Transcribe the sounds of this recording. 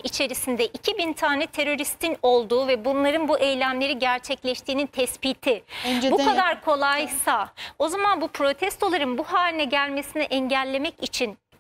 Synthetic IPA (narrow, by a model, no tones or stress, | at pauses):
it͡ʃʰe̞ɾisind̪ɛʔicʰibint̪ʰaːnɛt̪ʰe̞ɾo̞ɾist̪ʰino̞lˠd̪uːvɛbunlˠaɾɯnbuʔɛjlʲæmlʲe̞ɾiɟæɾt͡ʃʰɛclʲɛʃt̪ʰiːnint̪ʰɛspiːt̪ʰibukad̪aɾkʰo̞lˠajsao̞zamanbupʰɾo̞t̪ʰɛst̪o̞lˠaɾɯnbuhaːlʲinɛɟælʲme̞sinɛʔɛɲɟælʲːe̞mɛcit͡ʃʰin